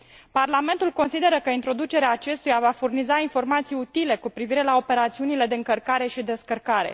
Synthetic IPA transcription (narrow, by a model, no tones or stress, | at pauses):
parlame̞nt̪ulko̞nsid̪e̞ɾəkəint̪ɾo̞d̪ut͡ʃe̞ɾeaːt͡ʃe̞st̪ujavafurnizainfo̞rmat̪sijut̪ile̞kupɾiviɾe̞lao̞pe̞ɾat̪siunile̞d̪e̞ɨŋkərkaɾe̞ʃid̪e̞skərkaɾe̞̰